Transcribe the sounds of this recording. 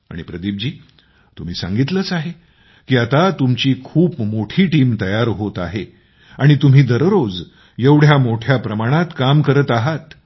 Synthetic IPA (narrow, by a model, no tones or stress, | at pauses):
a̰ɽ̃ipɾəd̪iːp̚d͡ʑiː | t̪um̤iːsã̰ŋɡit̪ləːt͡saɦe | kiːat̪at̪umt͡ɕiːkʰuːpmoʈʰiːʈiːmt̪əjaɾɦot̪aɦe | aɽ̃it̪um̤iːd̪əɾɾod͡z | jeʋɽ̤jamoʈʰjapɾəmaɽ̃at̪kamkəɾət̪aɦat̪